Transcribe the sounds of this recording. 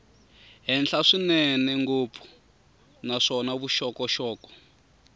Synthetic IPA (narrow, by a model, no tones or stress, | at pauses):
ɦɛnɬaʂinɛnɛŋɡopfʰu̥ | naʂɔnaβuʃɔkɔʃɔːkɔ̥